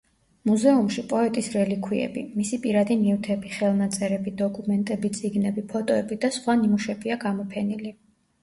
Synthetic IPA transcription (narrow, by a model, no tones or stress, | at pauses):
muzɛumʃipʼɔɛt̪ʼisɾɛlikʰwiɛ̰bḭmisipʼiɾad̪inift̪ʰɛbiχɛlˠnat̪sʼɛɾɛbid̪ɔkʼumɛnt̪ʼɛbit̪sʼiɡnɛbipʰɔt̪ʼɔɛbid̪asχwanimuʃɛbiaɡamɔpʰɛnili